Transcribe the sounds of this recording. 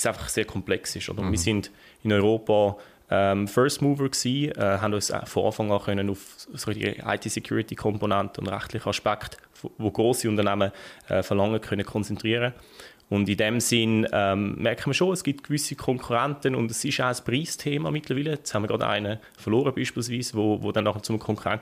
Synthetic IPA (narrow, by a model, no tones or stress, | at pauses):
saɪfɑ̥χseːɐkʰɔmplɛksɪʃo̰dəmiːɐsɪnd̥ | ɪnɔʏʁoːpɑ | ɛmfœstmuːvəksiːɛɦandɔʏsfɔɑ̰ːfɑŋɑːχœnənʊfsɔɡəldḭɡ̰a̰ɪtʰiːsɛkʰjṵːɾitikʰɔmponantəʊ̰ndʁa̰χtlɪχəɑʃpakχt | fvoɡ̥ʁoːsiʊntənaməɛ̰fɛʁlɑŋːəkʰœnəkʰɔnt͡sɛntʁiːəɾə | ʊndidɛmsɪnɛmmɛɐkʰəməʃoːɛsɡ̥ip̚tkvʏsikʰɔŋkʰuʁɛntənʊ̰ndɛsɪʃaʊəspʁiːstʰeːmɑmɪtləʁviːlədɑshanməɡʁɑda̰ɪnə | fɛɐʁloːɾəbiːʃpiːls̬viːsvoːvoːdɛnːɑχət͡sʊməkʰɔŋkʰuʁa̰nt